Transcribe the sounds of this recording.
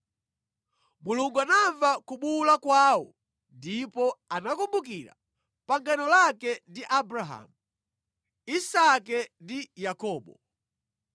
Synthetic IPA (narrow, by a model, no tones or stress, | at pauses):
muluŋɡuanaɱvakuɓulakwaːwɔ̰ | ndipɔanakumbukiɾa̰ | paŋɡanɔlakɛndiʔabɾaɦa̰mu | isakɛndijakɔːɓɔ